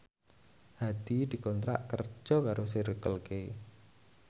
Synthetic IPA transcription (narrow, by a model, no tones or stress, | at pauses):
had̪̥i̤d̪̥i̤kɔnt̪ɾa̰ʔkər̥d͡ʒʒ̥ɔ̤kaɾos̬iɾəkəlke